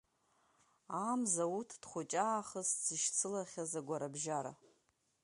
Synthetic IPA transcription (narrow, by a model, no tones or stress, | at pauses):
amzautʰd̥χʷʊt͡ʃʼaːχəst͡siʃt͡sʰɨlaχʲazaɡʷaɾabʒaɾa̰